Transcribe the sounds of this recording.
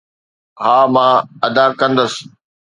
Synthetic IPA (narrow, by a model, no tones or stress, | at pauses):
ɦaːmãːɐd̪akɐ̃nd̪əsɪ̥